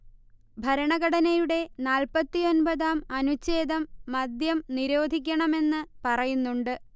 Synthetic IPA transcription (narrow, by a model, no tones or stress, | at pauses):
bʱɐɾɐɳɐɣɐɽɐnɐjuɽe̞naːlpɐt̪ːio̞nbɐðaːmɐnut͡ɕːeːd̪ɐmːɐd̪jɐmniɾo̞ːd̪ʱikʲːɐɳɐme̞nːɨpɐrɐjunːuɳɖɨ